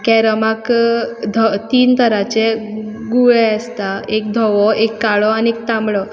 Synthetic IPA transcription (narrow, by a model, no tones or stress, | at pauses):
kɛɾəmakd̪ʱɔt̪iːnt̪ʰəɾat͡ɕeɡuɭɛast̪aekd̪ʱɔʋɔekːaɭɔaniek̚t̪ãmɭɔ